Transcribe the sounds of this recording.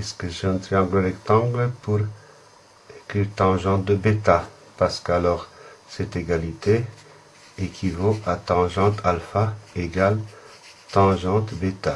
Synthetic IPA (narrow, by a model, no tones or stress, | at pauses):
ɛskəʒɑ̃nt̪iɑ̃ɡlolɛkt̪ɑ̃ɡləpuʁ | kyt̪ɑ̃ʒɑ̃t̪̚d̪əbet̪a | paʁsə̥kalɔʁsɛt̪eɡalit̪e | ɛkʰʲivoat̪ɑ̃ʒɑ̃t̪ʰalfaeɡal | t̪ɑ̃ʒɑ̃t̪bet̪a